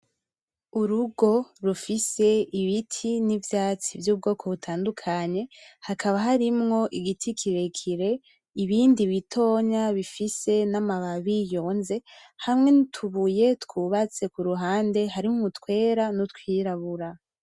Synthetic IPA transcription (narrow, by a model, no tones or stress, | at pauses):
uɾuɡo̞ɾufise̞iβitʰinivjaːt͡sivjuːb̚ɡo̞ːkʰo̞βutʰaːndukʰaɲe̞hakʰaβaɦaɾimŋo̞ʔiɡitʰikʰiɾe̞kʰiɾe̞ | iβiːndiβitʰo̞ɲaβifise̞namaβaβijo̞ːnze̞hamŋe̞nitʰuβuje̞tkwuβat͡se̞kuɾuɦaːnde̞haɾiumutkwe̞ːɾanutkwiːɾaβuɾa